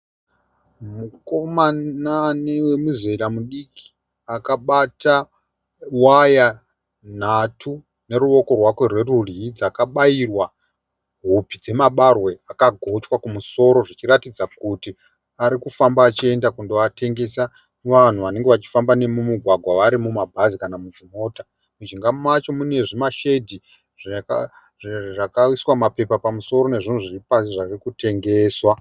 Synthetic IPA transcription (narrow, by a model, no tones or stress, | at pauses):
mukomananewe̞mizeɾamuɗiki̥ | akaɓata | waja | n̤atʰu | ne̞ɾuʋo̞ko̞rwakwe̞rwe̞ruriid͡zakaɓairwa | ɦupid͡ze̞maɓarwe̞akaɡʱo̞t͡ʃwakumuso̞ɾo̞ʐit͡ʃiɾatid͡zakuti | aɾikufambaːt͡ʃie̞ndakundoatʰe̞ŋɡe̞sa | ʋan̤uʋane̞ŋɡe̞ʋat͡ʃi̥fambane̞mumuɡʱwaɡʱwaʋaɾimumabʱazikanamud͡ʒimo̞ːta | mud͡ʒiŋɡamat͡ʃo̞mune̞ʐimaʃedʱi | ʐka | ʐakaiswamape̞papamuso̞ɾo̞ne̞ʐin̤uʐiripasiʐarikute̞ŋɡe̞ːswa